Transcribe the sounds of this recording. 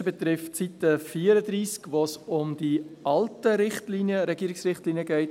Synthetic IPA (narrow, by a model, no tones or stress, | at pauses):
bɛtɾɪftsitəfiːəɾədɾiːskʋosʊmd̥iɑltəɾɪχtlinjəɾɛɡ̥iːɾɪksrɪχtliːnjəɡɛɪt